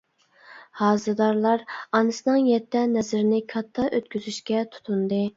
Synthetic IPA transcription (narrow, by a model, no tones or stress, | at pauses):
hɑːzɨd̪ɑɾlˠɑɾɑnɨsɨnɨŋjɛt̪ʰːɛnɛzɪɾɪnɪkʰɑt̪ʰːɑʔøt̪̚kʲyzyʃkʲɛt̪ʰu̥t̪ʰund̪ɨ